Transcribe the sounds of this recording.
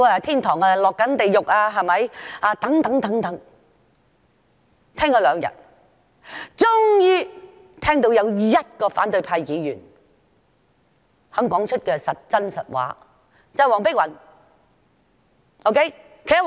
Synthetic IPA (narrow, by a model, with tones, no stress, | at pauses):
aː˧t̪ʰiː˥nt̪ʰɔː˨˩ŋaː˧lɔː˨kːɐ˨˥nt̪e˨jʊ˨k̚aː˧ɦɐ˨jmɐ˨jʔaː˨˧t̪ɐ˨˥ŋt̪ɐ˨˥ŋt̪ɐ˨˥ŋt̪ɐ˨˥ŋ | t̪ʰɛː˥ŋkɔː˧lœː˨˧ŋjɐ̰˨˩t̚ | t͡sʊ˥ŋjyː˥ | t̪ʰɛː˥ŋt̪o˨˧˥wjɐ˨˧wjɐ˥t̚kɔː˧fa̰ː˨˥nt̪ɵ˧ɥpʰaː˧jjiː˨˧jyː˨˩n | hœː˨˥ŋkɔː˨˥ŋt͡ʃʰɵ˥t̚kɛː˧sɐ˨t̚t͡sɐ˥nsɐ˨t̚wa̰ː˨˥ | t͡sɐ˨˩jwɔː˨˩ŋpɪ˥k̚wɐ˨˩n | ʔo˧˥wkʰe˥j | kʰe˨˩jɐ˥